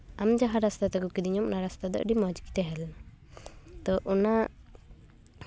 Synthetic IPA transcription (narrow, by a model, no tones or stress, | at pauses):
amd͡ʒaɦaɾast̪at̪ɛkɔkid̪iɲɔmnaɾast̪ad̪ɔ̰ʔɖimɔd͡ʒki̥t̪ɛɦɛl | t̪ɔʔɔna